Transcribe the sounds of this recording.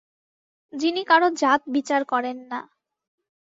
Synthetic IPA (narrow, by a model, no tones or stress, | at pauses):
d͡ʑinikaɾod͡ʑat̪̚bit͡ɕaɾkɔɾenːa